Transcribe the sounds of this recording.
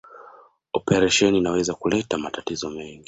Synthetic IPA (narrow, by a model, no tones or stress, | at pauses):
ɔpɛɾaʃɛniːnawɛzakulɛtamatatizɔmɛŋɡi